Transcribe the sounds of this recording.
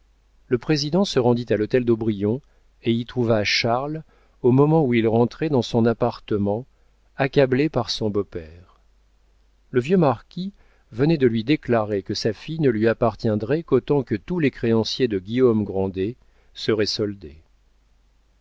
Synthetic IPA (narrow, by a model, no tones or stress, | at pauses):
ləpχezid̪ɑ̃səʁɑ̃d̪it̪alɔt̪ɛld̪obʁijɔ̃ | eit̪χuvaːʃaʁl | omɔmɑ̃uilʁɑ̃t̪χɛd̪ɑ̃sɔ̃napaʁt̪əmɑ̃ | akablepaʁsɔ̃bopɛːʁ | ləvjømaʁkʲi | vənɛd̪əlɥid̪eklaʁekəsafijnəlɥiapaʁt̪jɛ̃d̪ʁɛkot̪ɑ̃kət̪ulekχeɑ̃sjed̪əɡʲiɔmɡʁɑ̃d̪e | səʁɛsɔld̪e